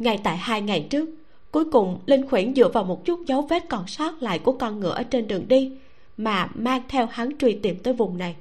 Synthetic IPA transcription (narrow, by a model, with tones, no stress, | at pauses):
ŋa˨˩jt̪a̰ː˧˨jhaː˧jŋa˨˩jt͡ɕɨ˦˥ək̚ | ku˨˦jkʊ˨˩ŋ͡mli˧ŋxwi˧˩ənzɨ̰˧˨əvaː˨˩wmo˨˩t̚t͡ɕʊ˦˥t̚zə˨˦wve˦˥t̚kɔ˧˩nsɔː˦˥t̚la̰ː˧˨jku˧˩əkɔ˧nŋɨ̰˧˩əʔəː˧˩t͡ɕe˧nɗɨ˨˩əŋɗi˧ | maː˨˩maː˧ŋt̪ʰɛ˧wha˨˦ŋt͡ɕwi˧˩t̪i˧˩mt̪əː˨˦jvʊ˨˩ŋ͡mna˨˩j